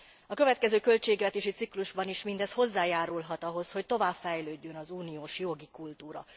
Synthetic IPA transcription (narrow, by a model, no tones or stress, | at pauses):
ɒkøvɛt̪̚kɛzøːkø̞lt͡ʃeːɡvɛt̪eːʃit̪sikluʒbɒniʃmind̪ɛsho̞zːaːjaːɾulɦɒt̪ɒɦo̞sho̞ct̪o̞vaːbfɛjløːɟːø̞nɒzuːnijoːʃjo̞ɡikult̪uːɾɒ̰